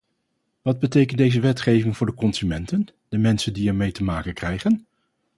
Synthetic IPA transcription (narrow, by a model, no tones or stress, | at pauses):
ʋɑd̚bətejkəntdejzəʋɛtχejvɪŋvʊːɹdəkɔnzymɛntən | dəmɛnsəndiɛɹmejtəmaːkənkrɛjχən